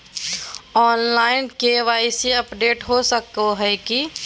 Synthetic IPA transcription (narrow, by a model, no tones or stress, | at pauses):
ɔːnlaːɪnkeʋaːɪseɐpɖeːʈɦosəkoɦɛki